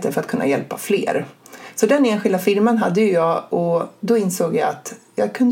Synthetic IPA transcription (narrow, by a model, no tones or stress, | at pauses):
t̪əfœɾat̪kʰɵnːa̰jɛlpaflḛːɾsɔd̪ɛneːnɧɪld̪afɪɾmanɦad̪ːəjɵjɑːɡɔd̪ɔɪnsoːɡjaat̪jɑːɡ̚kʰɵnd̪